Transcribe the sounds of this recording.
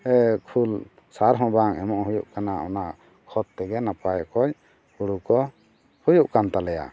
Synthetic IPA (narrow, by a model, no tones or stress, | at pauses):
ɛkʰul | saɾɦɔ̃baŋɛmɔʔɦujuʔkanaʔɔ̰naʔ | kʰɔt̪t̪ɛɡɛnapajkɔj | huɽukɔ | hujuʔkant̪alɛja̰